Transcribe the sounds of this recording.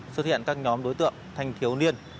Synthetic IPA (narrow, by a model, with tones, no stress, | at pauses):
sə˥t̚hḭ˧˨ənkaː˦˥k̚ɲɔ˨˦mɗo˨˦jt̪ɨ̰˧˨əŋt̪ʰa˨˩jŋ̟t̪ʰi˨˦əwni˧ən